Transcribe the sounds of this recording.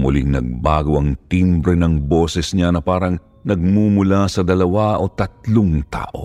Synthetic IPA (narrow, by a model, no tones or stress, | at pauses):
mʊlḭŋnɐ̰ɡ̚baːɡowɐŋt̪imbɾɛnɐŋbo̞ːsɛsɲʲanɐpaːɾɐŋ | nɐɡ̚mumʊlasɐd̪ɐlɐwaʔo̞t̪ɐt̪̚loŋt̪a̰ːʔo̰